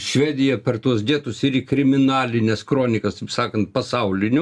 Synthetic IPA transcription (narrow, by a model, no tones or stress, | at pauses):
ʃʲʋʲæːd̪ʲɪjɛpʲɛrt̪uɔsd̪ʲiɛt̪ʊsɪɾikɾʲɪmʲɪnɑːlʲɪnʲɛskɾoːnʲɪkɐst̪ɐɪpsɑːkɐnt̪̚pɐsɐʊlʲɪnʲʊ